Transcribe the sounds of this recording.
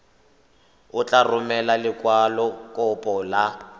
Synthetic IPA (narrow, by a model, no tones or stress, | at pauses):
ʊt͡ɬʼarʊmɛlalɪkʼwalɔkʼʊpʼɔla